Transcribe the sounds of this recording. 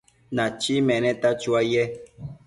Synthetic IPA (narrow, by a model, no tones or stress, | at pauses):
nãt͡ʃimɛ̃nɛ̃t̪at͡ʃuajɛ